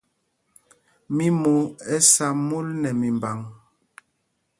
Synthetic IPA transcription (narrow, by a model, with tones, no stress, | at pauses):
mi˦mu˨ɛ˦sa˨mu˦lnɛ˨mi˨mba˨ŋ